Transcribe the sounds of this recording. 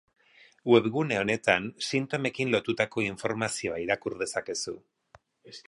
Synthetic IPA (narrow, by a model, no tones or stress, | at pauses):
we̞βɣune̞o̞ne̞t̪ansint̪o̞me̞kinlo̞t̪ut̪ako̞iɱfo̞ɾmasio̞aiɾakuɾðe̞sake̞su